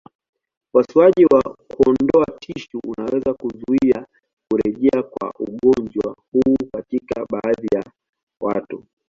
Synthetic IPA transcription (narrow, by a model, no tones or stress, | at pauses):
wasiaʄiwakuɔnndɔatʰiʃuunawɛzakuzuia | kuɾɛʄɛakwa̰ʔuɠɔnd͡ʒwahuːkatikaɓaːðija | wa̰tu